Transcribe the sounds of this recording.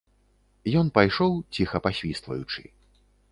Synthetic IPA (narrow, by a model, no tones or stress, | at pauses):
jɔnpajʂɔwt͡sʲixɐpasʲvʲist̪vɐ̰jut͡ʂɨ̰